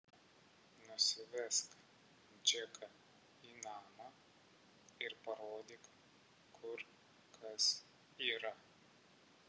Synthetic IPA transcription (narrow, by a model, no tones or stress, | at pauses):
nʊsʲɪʋʲɛsk | d͡ʒʲɛkʰɐ | iːnɑːmɐ | ɪɾpɐɾoːd̪ʲik | kʰʊɾ | kʰɐs | iːɾɐ